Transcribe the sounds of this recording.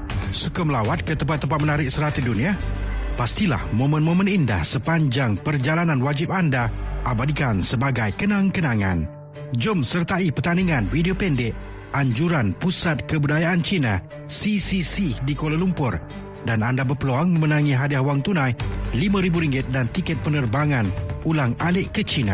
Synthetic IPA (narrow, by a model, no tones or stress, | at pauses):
sukəməlawat̪̚kət̪əmpat̪ːəmpat̪̚mənaɾɪk̚səɾat̪udunĩapast̪ila̰hmõmə̃nmõmə̃ninda̰hsəpaɲd͡ʒaŋpərd͡ʒalanãnwad͡ʒɪp̚andaʔabadikansəbaɡajkənaŋkənaŋã̰n | d͡ʒʊmsərt̪aipərt̪aniŋãnfidiopɛndɪʔ | aɲd͡ʒuɾanpusat̪̚kəbudajaʔant͡ʃinã | sisisidikolalumpʊr | danandabərpəloaŋmə̃mənãŋĩɦadiahwaŋt̪unãjlimãɾibuɾiŋɡɪt̪̚dant̪ikɛt̪̚pənərbaŋãnulaŋalɪʔkət͡ʃinã̰